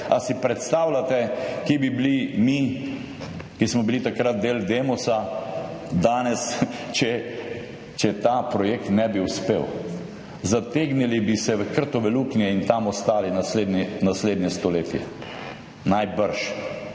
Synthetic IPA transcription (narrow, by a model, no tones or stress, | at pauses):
asipɾɛt̪st̪aːwlat̪ɛkebiblimi | kismɔbilit̪akɾat̪̚d̪eːld̪emɔsa | d̪aːnɛst͡ʃɛ | t͡ʃɛt̪aːpɾɔjekt̪nɛbiuspeːw | zat̪eɡnilibisɛʋəkəɾt̪ɔʋɛluːknjɛint̪amɔst̪aːlinasled̪nɛnasleːd̪nɲɛst̪ɔleːt̪jɛ̰ | najbəɾʃ